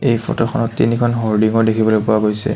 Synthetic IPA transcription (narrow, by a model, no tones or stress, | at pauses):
ejpʰɔ̰tɔxʰɔnɔtːḭnikʰɔnɦoɹdiŋɔdekʰibɔlojpʊaɡojsɛ̰